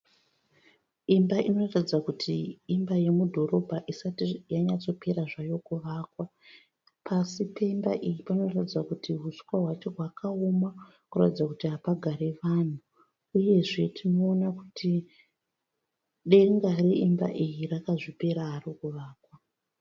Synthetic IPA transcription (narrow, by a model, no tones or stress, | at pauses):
imbaʔino̞ratid͡zakutʰiːmbaje̞mudʱo̞ɾo̞bʱaʔisatijaɲat͡so̞pe̞ɾaʐajo̞kuʋaːkwa | pʰasipeimba̰ʔijipano̞ratid͡zakutʰiɦuskwaɦwat͡ʃe̞ɦwakao̞ma | kura̰tid͡zakutiɦapaɡʱaɾe̞ʋaːn̤u | uje̞ʐe̞tʰino̞ːnakutʰi | ɗe̞ŋɡareimba̰ʔijirakaʐipe̞ɾaɦːrikuʋaːkwa